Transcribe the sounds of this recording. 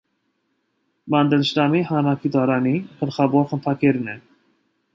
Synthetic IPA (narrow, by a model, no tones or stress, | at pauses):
bɑnd̪ɛlʃt̪ɑmihɑnɑkʰit̪ɑɾɑnihəlχɑvɔɾχəmp̪ʰɑkɛɾnɛ